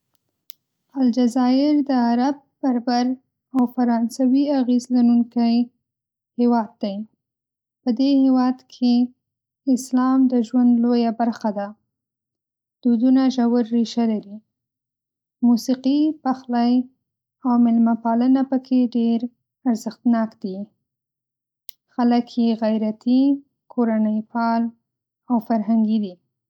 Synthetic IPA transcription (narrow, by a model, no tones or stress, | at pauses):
ald͡ʒazɑɪɾd̪əaɾab̚baɾbaɾ | awfaɾɑnsawiaɣezlanuŋkaj | hewɑd̪̚ːaj | pəd̪ehewɑd̪kʰe | ɪslɑmd̪əʒwand̪lojabaɾxad̪a | d̪̥ud̪unaʒawaɾːiʃalaɾi | musiqipaxlaj | awmɪlmapɑlənapəkʰeɖeɾ | aɾzəxt̪nɑkd̪i | xaləkʰjeɣajɾat̪ʰi | kʰoɾanəjpɑl | awfaɾɦaŋɡid̪i